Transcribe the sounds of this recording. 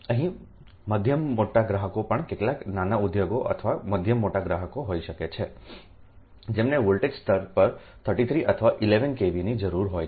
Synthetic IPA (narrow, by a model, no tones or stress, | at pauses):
əɦĩ | məd̪ʱjəmːoʈaɡɾaɦəkopəɳkeʈlaknanaʊd̪joɡoʔə̰t̪ʰʋaməd̪ʱjəmːoʈaɡɾaɦəkoɦoiʃəket͡ʃʰe | d͡ʒemneʋolʈed͡ʒst̪ʰəɾpəɾ | t̪ʰəɾʈit̪ʰɾiʔət̪ʰəʋaʔileʋənkeʋinid͡ʒəɾuɾɦoj